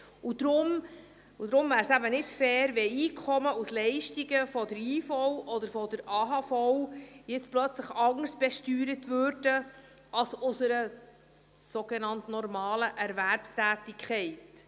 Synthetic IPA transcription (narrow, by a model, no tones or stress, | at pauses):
ud̥̪ɾʊm | ud̥̪ɾʊmvæːɾsæbənɪtfɛːɾʋɛiːkʰχɔməuslɛɪʃtiɡəfɔdəɾiːfɔwʔɔd̪əɾfɔdəɾɑːɦɑfɔwjɪt͡splœt͡sləχɑŋəɾsb̥ɛʃtyːɾətvøːɾd̥ə | ɑlsʊsəɾə | soɡ̥enɑntnɔɾmɑːləʔæɾvæɾpstæːtɪkʰχɛɪt